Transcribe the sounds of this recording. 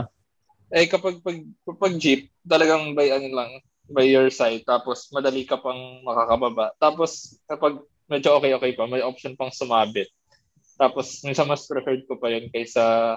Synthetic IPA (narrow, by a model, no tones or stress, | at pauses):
ʔɛjkɐpaɡ̚pɐɡ̚pɐpɐɡ̚d͡ʒip̚t̪ɐlɐɡaŋbajʔɐnolɐŋ | bajːoɹsajd̪̚t̪ːaːposmɐd̪ɐliːkɐpɐŋmɐkaːkɐbɐbaʔt̪aːpo̞skɐpaɡ̚ | mɛd͡ʒoʔokɛjʔoːkɛjpɐmɐjʔop̚ʃonpɐŋsʊmaːbɪt̪̚ː | aːposminsɐnmɐspɾɛfɛɹd̪̚kopɐjonkɐjsɐ